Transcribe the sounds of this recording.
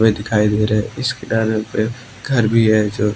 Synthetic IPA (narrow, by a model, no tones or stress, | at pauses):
ʋed̪ɪkʰaːid̪eːɾɐɦɛɪskeɖaːɾepe | ɡʱɐɾbʱiɦɛd͡ʒoː